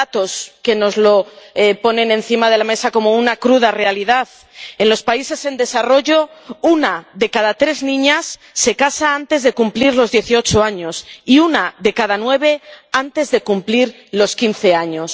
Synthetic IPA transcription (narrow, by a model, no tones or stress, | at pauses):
at̪o̞ske̞no̞zlo̞po̞nẽ̞nẽ̞nθimað̞e̞lame̞sako̞mo̞unakɾuð̞are̞aliðaθ | e̞nlo̞spaise̞se̞nd̪e̞saro̞ʝo̞unaðe̞kaðat̪ɾe̞znĩɲasː | e̞kasaant̪e̞zðe̞kumpliɾlo̞zðje̞θio̞t͡ʃoaɲo̞siunaðe̞kaðanwe̞β̞e̞ant̪e̞zðe̞kumpliɾ | lo̞skinθe̞aɲo̞s